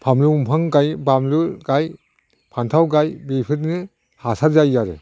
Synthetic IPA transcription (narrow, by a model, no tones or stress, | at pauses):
pʰamlumpʰaŋɡajbamluɡaj | pʰantʰawɡajbepʰɯt̚nɯ | hasaɾzajːaɾɯ̰